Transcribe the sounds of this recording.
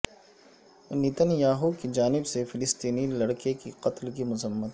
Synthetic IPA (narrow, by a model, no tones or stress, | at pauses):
nit̪ənjaːɦukid͡ʒaːnɪbsefɪlɪst̪iːnilɐɽkekiqɐt̪lkimʊzəmːət̪